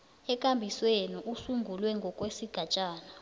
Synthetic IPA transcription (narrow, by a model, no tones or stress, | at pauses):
ɛkʼambʱiswenuʔusuŋɡʱulwɛŋɡʱɔkʼwesiɡ̥ʱat͡ʃʼaːna